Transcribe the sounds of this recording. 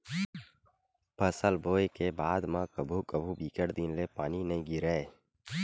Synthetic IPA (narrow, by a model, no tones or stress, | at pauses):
pʰəsəlboːekebaːd̪mãkəbʱukəbʱubiːkəʈd̪inlepaːninəĩɡiɾəe